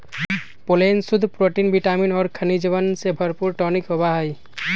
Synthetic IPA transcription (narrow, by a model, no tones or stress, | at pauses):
polensud̪ʱupɾoʈinbiʈaminɔɾkʰanid͡ʒeβansebʱʌɾpuɾʈɔnikobaɦaj